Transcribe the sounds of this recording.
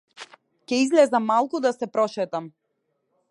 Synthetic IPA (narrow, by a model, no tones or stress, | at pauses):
cɛizlɛzamalˠkud̪asɛpɾɔʃɛt̪am